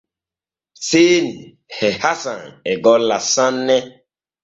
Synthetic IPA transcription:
seːni | hɛhasaŋeɡɔlasãnnːɛ

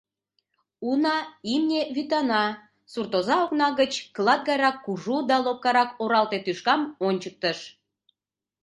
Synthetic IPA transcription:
unɑimnʲeβyt̪ɑnɑ | surt̪ozɑoknɑɣət͡ɕklˠɑd̪̚ɡɑjɾɑkːuʒud̪ɑlop̚kɑɾɑkoɾɑlt̪et̪yʃkɑmonʲt͡ɕək̚t̪əʃ

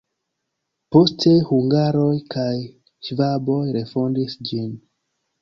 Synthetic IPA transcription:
po̞stʰe̞huŋɡaɾo̞jkʰaj | ʃvabo̞jɾe̞fo̞ndisd͡ʒin

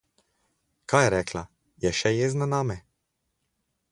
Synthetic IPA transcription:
kajɛɾɛːkla | jɛʃɛjeːznanaːmɛ

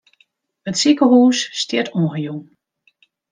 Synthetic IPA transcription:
ətsikəɦuːsːtjɪtʰonɣəjun

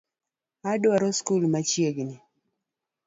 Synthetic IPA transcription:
adwɔɾɔskulmat͡ʃjeɡnɪ

